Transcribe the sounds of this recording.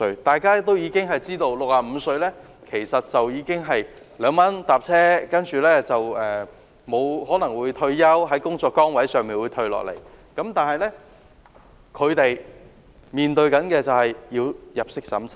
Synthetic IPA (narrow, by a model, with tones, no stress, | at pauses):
ɵ˧ɥt̪aː˨jkaː˥t̪̬o˥wjiː˨˧kɪ˥ŋɦɐ˨jt͡siː˥t̪o˧wlʊ˨k̚aː˨m̩˨˧sɵ˧ɥlɛː˥ | kʰe˨˩jsɐ˨t̚t͡sɐ˨wjiː˨˧kɪ˥ŋɦɐ˨j | lœː˨˧ŋmɐ˥nt̪aː˨p̚t͡sʰɛː˥kɐ˥nt͡ʃyː˨˩lɛː˥t͡sɐ˨wɛː˨ | mo˨˧wɦɔː˨˥nɐ˨˩ŋwuː˨˧jt̪ʰɵ˧ɥjɐ˥wɦɐ˨˥jkʊ˥ŋt͡sɔː˧kːɔː˥ŋwɐ˨˥jsœː˨ŋmiː˨nwuː˨˧t̪ʰɵ˧ɥlɔ̰ː˨k̚lḛ˨˩j | kɐ˨˧˥mt̪aː˨˩nhɐ˨jlɛː˥ | kʰɵ˨˧ɥt̪e˨j | miː˨nt̪ɵ˧ɥkɐ˨˥nkɛː˧t͡sɐ˨whɐ˨jːiː˧wjɐ˨p̚sɪ˥k̚sɐ̰˨˥mt͡sʰ